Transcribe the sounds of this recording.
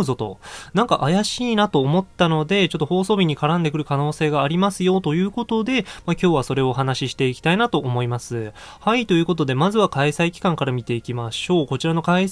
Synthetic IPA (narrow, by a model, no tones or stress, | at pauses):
zo̞t̪o̞̰nãŋka̰ʔajaɕiːnat̪o̞ːmo̞t̪ːano̞d̪e̞t͡ɕo̞t̪ːo̞ho̞ːso̞ːbʲiɲ̟ikaɾãnd̪ekɯ̟ɾɯ̟kano̞ːse̞ːɡaːɾʲimasɨjo̞t̪o̞jɯ̟ːko̞t̪o̞d̪e̞makʲo̞ːβaso̞ɾe̞oɦanaɕiɕi̥t̪e̞ikʲi̥t̪ainat̪o̞ʔːmo̞imasɨ | hait̪o̞jɯ̟ːko̞t̪o̞d̪e̞mazɨβakaisaikʲi̥kãŋkaɾamʲit̪e̞ikʲimaɕo̞ːko̞t͡ɕiɾano̞kai